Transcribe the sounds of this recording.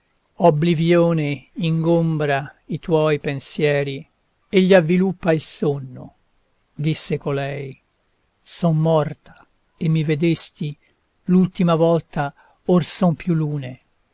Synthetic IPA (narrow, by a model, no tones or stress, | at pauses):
oblivjoːneiŋɡombɾait̪wɔjpensjɛːɾi | eʎːiavːilupːailsonːo̰ | d̪isːekolɛj | sɔmːɔrt̪ḁ | emːived̪est̪i | lult̪imavɔlt̪a | orsɔmpjulːuːne